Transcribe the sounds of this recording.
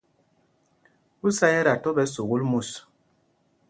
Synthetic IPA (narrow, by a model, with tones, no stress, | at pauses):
u˦sa˦jɛ˦ɾa˨tɔ˦bɛ˨˦su˨ɣu˦lmu˦˨s